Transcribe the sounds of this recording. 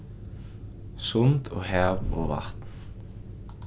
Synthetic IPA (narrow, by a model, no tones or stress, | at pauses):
sʊnt̪ʰɔɣɦaːvɔ̰ɣva̰ht̪n̥